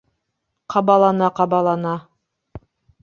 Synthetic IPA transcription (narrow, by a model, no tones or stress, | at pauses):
qʰɑbɑlˠɑnɑqɑbɑlˠɑnɑ